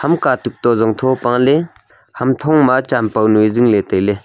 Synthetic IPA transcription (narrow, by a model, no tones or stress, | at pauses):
hamkatuk̚t̪ɔzɔŋt̪ʰɔpaŋle | hamt̪ʰɔŋmat͡ʃampawnujziŋletajle